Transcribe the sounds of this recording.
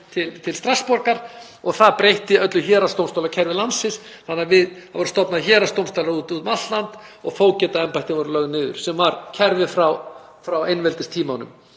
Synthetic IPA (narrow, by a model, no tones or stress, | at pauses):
t̪ʰɪlt̪ʰɪlst̪ɾaspɔɾkaɾ̥ | ɔɣθaðpɾejht̪ɪœt̪lʏçɛːɾast̪owmst̪aːlacʰɛɾvɪlansɪs | θanːavɪðavɔɾʏst̪ɔpnaðçɛːɾast̪owmst̪awlaɾuːt̪uːt̪ʏmat̪lant̪ɔɣfoːwcɛːt̪aɛmpajt̪ɪvɔɾʏlœɣnɪːðʏ̰ɾ̥sɛmvaɾcʰɛɾvɪfɾaw | fɾawejnvɛlt̪ɪst̪ʰiːmawnʏ̰m